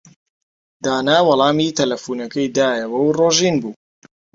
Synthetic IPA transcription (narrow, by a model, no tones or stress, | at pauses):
d̪̥aːnaːwɑlˠɑːmiːt̪ʰɐlɐfuːnɐkɐjd̪aːjɐwɐwroːʒiːnbuː